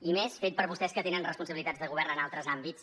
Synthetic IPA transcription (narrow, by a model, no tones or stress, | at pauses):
imesfet̪̚pəɾβust̪ɛskət̪enənrəspunsəβilit̪ad͡zðəɣuβɛrnənalˠt̪ɾəzambit̪s